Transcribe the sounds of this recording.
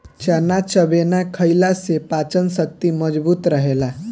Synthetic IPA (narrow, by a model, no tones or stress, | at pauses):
t͡ʃənat͡ʃəbenakʰəjlasepat͡ʃənsək̚t̪iməd͡ʒbuːt̪ɾəɦela